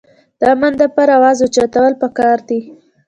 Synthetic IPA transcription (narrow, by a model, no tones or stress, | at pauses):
d̪̥əamand̪əpaɾawɑzot͡ʃat̪awəlpəkɑɾd̪i